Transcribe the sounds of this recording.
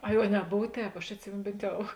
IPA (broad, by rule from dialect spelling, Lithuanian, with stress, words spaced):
ˈɐɪ oː nʲɛˈboːw ˈtʲɛːp ɐʃ ɐtʲˈsʲɪmʲeːnoː ˈbʲeːnt ˈjɛʊ